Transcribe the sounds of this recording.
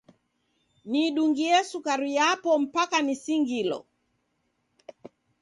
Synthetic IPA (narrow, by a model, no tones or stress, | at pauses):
niɗuŋɡiɛsukaɾiapɔm̩pakanisiŋɡilɔ̰